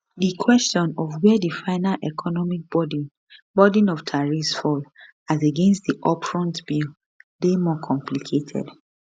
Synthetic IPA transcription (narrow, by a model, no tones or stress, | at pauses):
dikʰwɛstɔ̃nɔvwɛdifaɪnalʔɛkʰɔnɔmik̚b̥ɔdĩ | bɔdĩnɔvtʰaɹifsfɔl | azeɡɛ̃nstdiʔɔpɹɔ̃ntbil | bemɔkʰɔ̃mplikʰetʰɛ̰d